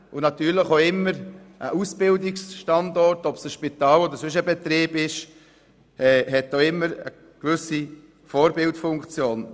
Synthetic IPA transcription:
ʔʊnɑt̪yːɾləχoɪmːəɾʔəʔusb̥ɪldɪksʃtɑndɔɾtɔpsəʃpitɑːlɔd̪əɾsʏʃ̬əbɛt̪ɾeːbɪʃ | ɛɦɛt̚ːoɪmːəɾə̰ | ɡ̥vʏsi | fɔːɾbɪltfʊŋkt͡sjoːn

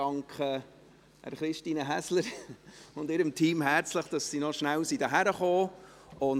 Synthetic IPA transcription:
ɑŋkχə | æ̰ɾχɾɪʃtiːnəɦæsləɾʊndɪːɾəmtʰiːmɦæɾt͡sləχd̥ɑsːinɔʃnæwsidəɦæɾəχoː | ʊn

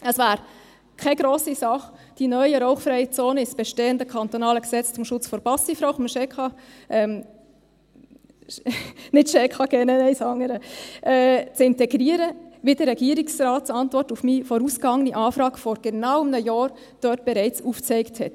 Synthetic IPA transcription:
əsvæːɾ | kʰɛɡɾoːsisɑχd̥inœʏəɾɔʊχfɾɛjət͡soːnəɪsb̥ɛʃteːəndəkʰɑnt̪ɔnɑːləksɛt͡st͡sʊmʃʊt͡sfɔɾb̥ɑsifɾoʊχməʃɛːkχɑ | ʔɛm | nɪtʃɛːkʰɑɡ̥ɛnənɛɪsɑŋəɾəʔɛt͡sɪntɛɡɾiːəɾəʋidəɾːɛɡiːəɾɪksrɑːtt͡sɑntvɔrtufmiːfɔɾuːsɡ̥ɑŋəniʔɑːfɾɑːɡfɔɾɡ̥ənɑʊəmnəjɑːɾ | d̥œːt̚b̥ɛɾɛɪt͡suːft͡sɛɪkthɛt

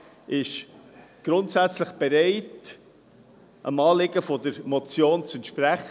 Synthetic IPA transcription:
ʔɪʃɡ̥ɾʊntsæt͡sləχb̥ɛɾeɪt | ʔə̰mɑːlɪɡəfɔdəɾmɔt͡sjoːnt͡sɛntʃpɾæχ

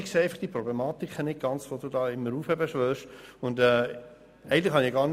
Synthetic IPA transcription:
kseːɛɪfɑ̥χd̥iəprɔblɛmɑːt̪ikχənɪt̚ɡ̥ɑnt͡sʋoduːdɑːɪmːəɾuːfɛbəʃʋœːʃʊndɛː | ɛɪɡəntlɪχhɑniɡɑːɾn

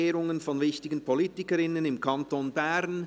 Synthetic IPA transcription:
eːɾʊŋənfɔnvɪçtɪɡən̩pʰoliːtɪkəɾɪnənɪmkʰantonbɛɾn

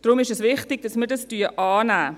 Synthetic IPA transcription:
d̥ʁʊmɪʃɛsvɪχtɪɡ̥̚d̥ɑsmiːdɑstyːɐʔɑːnæː

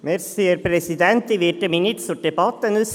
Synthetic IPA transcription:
mɛɾsiːəɾpʰɾɛsɪd̪ɛnt̪iʋɪʈəmɪnɪt̪sɔɖ̪ɛbɑt̪ːənʉs

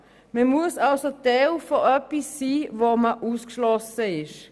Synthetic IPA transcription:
məmuəsalsotɛwfoʔœpisːiːvoməʔuːskʃlɔsəɪʃ

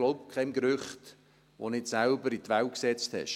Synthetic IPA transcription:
loʊbkʰχɛmɡɾʏχt | ʋo̰nɪtsælbəɾit̪ʋæl̚ksɛt͡sthɛ̰ʃ

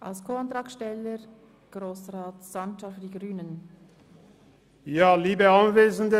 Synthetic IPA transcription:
ʔa̰lskʰoːant̪ʁɑːkʃtɛləɾ | ɡ̥roːsraːtsant͡ʃafyːdiɡʁyːnən | jaːliːbəanveːzəndə

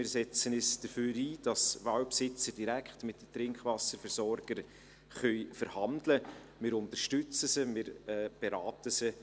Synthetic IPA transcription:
mɪːɾsɛt͡sənɛsd̥əføːɾiːd̥ɑsʋawpsɪt͡səɾd̥iɾækχtmɪt̚dət̪ɾɪŋkʰʋɑsəɾfəɾsɔɾɡ̥əɾ | χœjfəɾhɑndlə | mɪːɾʊnt̪əʃtʏt͡səsəmɪːɾɛːb̥eɾɑːtəsə

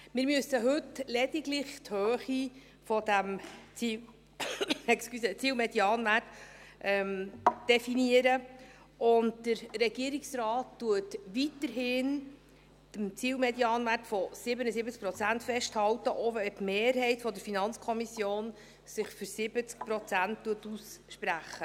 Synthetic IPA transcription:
mɪɾmyəsəɦɵtlɛdiɡlɪχthøːχi | fɔdæmi | ɛkskysɛt͡siːlmɛdjɑːnʋætʔɛmd̥ɛfiniəɾə | ʔʊntd̥əɾɾɛɡ̥iəɾiksɾɑːtːuətʋitəɾɦɪːn | d̥əmt͡siːlmɛdjɑːnʋærtfɔsɪbənəsɪbət͡sk̚pɾɔt͡sæntfɛʃthɑwtəʔovtmeːɾhɛɪtfɔdəɾfinɑnt͡skʰɔmisjoːn | sɪχfyɾsɪbət͡sk̚pɾɔt͡sænttːuətusʃpræχə

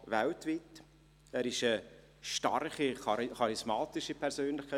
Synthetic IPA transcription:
vɛltviːt | æːɾɪʃə | ʃtɑ̰rχiχɑɾɪsmɑːtɪʃipʰɛɾzøːnlɪχkʰa

